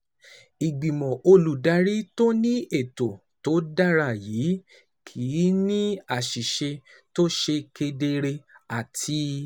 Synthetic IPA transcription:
i˨ɡ͡bĩ˨mɔ̃˨o˧lu˨da˨˧˦ɾi˦to˦nĩ˦e˦˨to˨ | to˨˦da˦ɾa˦˨jiː˨˦ | kʰi˨˦nĩ˦a˦˨ʃi˨ʃe˧ | to˦ʃe˧ke˧de˧ɾe˧a˨tʰi˧

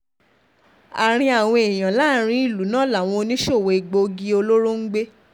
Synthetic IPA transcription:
a˨ɾ̃ĩ˧a˨w̃ɔ̃˧e˨j̃ã˨la˦ɾ̃ĩ˧i˦˨lu˨˦nãː˦˨la˦˨w̃ɔ̃˧o˧nĩ˦ʃo˦˨we˧i˨ɡ͡bo˧ɡi˦o˧lo˦ɾo˦ŋ̩˦ɡ͡be˦

